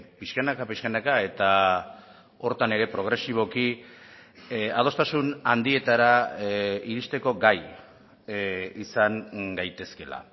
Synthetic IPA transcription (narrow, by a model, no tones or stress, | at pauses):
piskanakapiskanakae̞t̪a | o̞ɾt̪ane̞ɾe̞pɾo̞ɣ̞ɾe̞siβ̞o̞ki | að̞o̞st̪asunand̪ie̞t̪aɾa | iɾist̪e̞ko̞ɡaj | isaŋɡajt̪e̞ske̞la̰